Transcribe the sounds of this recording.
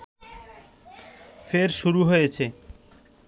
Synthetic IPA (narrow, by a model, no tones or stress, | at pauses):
feɾʃuɾuɦojet͡ɕʰe